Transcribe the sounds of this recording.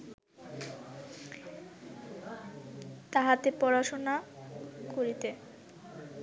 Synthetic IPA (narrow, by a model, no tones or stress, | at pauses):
t̪aɦat̪epɔɾaʃona | koɾit̪e